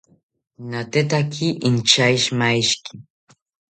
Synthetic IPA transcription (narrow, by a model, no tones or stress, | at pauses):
nat̪et̪akʰiʔɪnt͡ʃajʃmajʃki̥